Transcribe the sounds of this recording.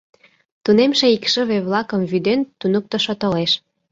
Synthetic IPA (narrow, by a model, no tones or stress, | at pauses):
t̪unemʃeikʃə̆βeβlɑkə̆mβyd̪ent̪unuk̚t̪ə̆ʃot̪oleʃ